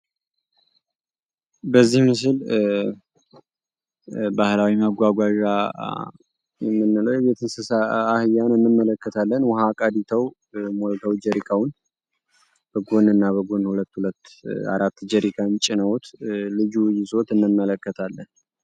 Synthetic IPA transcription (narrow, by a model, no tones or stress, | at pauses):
bəzːihmɨs̬ɨl | bahlawiməɡʷaɡʷaʒa | jɛmːɨnːɨləwjɛbet̪ʰɨnsɨsaahɨjːanɨnːɨmːələkːət̪ʰalːənwɔhakʼad̪it̪ʰəw | molt̪ʰəwd͡ʒəɾikʰawʊn | b̥əɡonɨnːaβəɡonhulət̪ːhulət̪ːa̰ɾat̪ːd͡ʒɛɾikʰant͡ʃʼɪnəwt̪lɨd͡ʒujɪsʼo̞t̪ɨnːɨmːələkːət̪ʰalːən